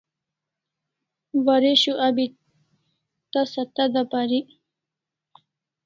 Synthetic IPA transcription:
waɾeɕuʔabi | t̪asat̪ad̪apaɾi

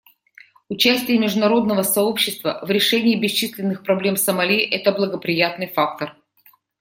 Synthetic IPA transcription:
ʊt͡ɕæsʲtʲɪjəmʲɪʐd̪ʊnɐɾo̞d̪nəvəsɐo̞pɕːɪst̪vəvɾʲɪʂɛnʲɪːbʲɪst͡ɕisʲlʲɪnːɨxpɾɐblʲe̞msəmɐlʲiʔɛt̪əblˠəɡəpɾʲɪjat̪nɨjfak̚t̪ər

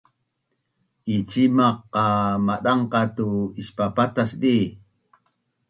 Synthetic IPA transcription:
ɪt͡ʃimɑqːɑmaɗɑɴqɑt̪uɪʃpapat̪asdi

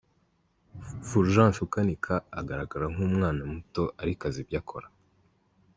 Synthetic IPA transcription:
fuɾʒãːnʃukanikʰaːɡaɾaɡaɾaŋ̥huːmŋaːnamuto̞ʔaɾikazibjaːkʰo̞̰ɾa

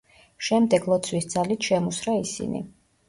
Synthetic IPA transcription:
ʃɛmd̪ɛɡlˠɔt̪sʰwisd̪z̥alit̪ʰʃɛmusɾaisḭnḭ

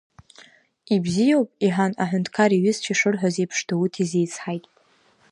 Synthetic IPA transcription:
ibzijawpʼiħanaħʷᶣʊntʰkʰaɾiɥɪzt͡ʃʰiʂɨrħʷᶣazejpʰʂdʰautʰizejt͡sʰħajtʼ

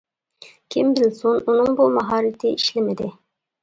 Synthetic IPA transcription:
kʲʰimbɪlsununɨŋbumɑɦɑːɾɪt̪ʰɪiʃlɪmɪd̪ɪ

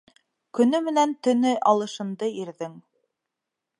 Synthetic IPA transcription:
kɵ̆nɵmɘ̆nænt̪ɵ̆nɘʔɑlˠɤ̆ʃɤ̆nd̪ɤiɾðɘŋ

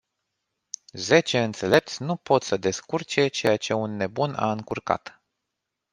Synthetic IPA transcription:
ze̞t͡ʃe̞ɨnt̪se̞le̞p̚t̪sʲnupo̞t̪səd̪e̞skurt͡ʃe̞t͡ʃe̞jat͡ʃe̞unːe̞buna̰ɨŋkurka̰t̪

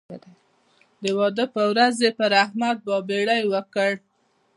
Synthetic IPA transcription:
d̪əwɑd̪əpəwɾazepəɾahmad̪̚bɑbeɽajwəkəɽ

